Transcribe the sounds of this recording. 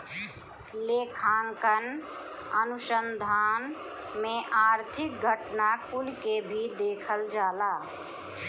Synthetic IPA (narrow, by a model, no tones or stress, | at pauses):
leːkʰaːŋkənənʊsənd̪ʱaːn | mẽʔaːɾt̪ʰɪk̚ɡʱəʈnakʊnkebʱid̪eːkʰəld͡ʒaːlaː